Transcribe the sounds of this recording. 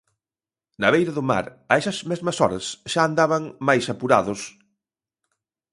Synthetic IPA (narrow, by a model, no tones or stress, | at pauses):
nɐβejɾɐðʊma̰ɾ | ɐɛsɐsmezmɐsɔɾɐsʃaːnd̪aβɐŋmajsɐpuɾa̰ðʊs